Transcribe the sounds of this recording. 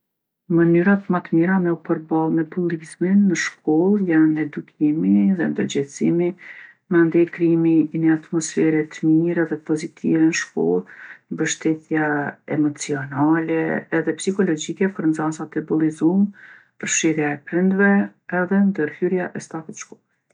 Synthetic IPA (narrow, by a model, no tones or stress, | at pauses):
mənyɾat̪mat̪miɾamɛupəɾbalˠmɛbulˠizminːəʃkɔlˠjanɛd̪ukʰimiðɛnd̪əɾd͡ʑɛsimi | mand̪ɛjkɾiminɛat̪mɔsfɛɾɛt̪əmiɾɛðɛpɔzit̪ʰḭvɛnəʃkɔ̰lˠmbəʃt̪ɛt̪jaɛmɔt͡siɔnalɛːðɛpsikɔlɔd͡ʒikɛpəɾnd͡zasat̪ɛbulˠizum | pəɾʃiɾjaɛpɾind̪vɛɛðɛnd̪əɾhyɾjaʔɛst̪akɛt̪əʃkɔlˠ